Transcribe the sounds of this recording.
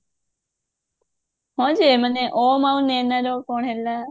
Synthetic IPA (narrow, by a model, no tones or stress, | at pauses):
ɦõːd͡ʒeməneʔoːmaũneːnaɾoːkoːɳɦelaː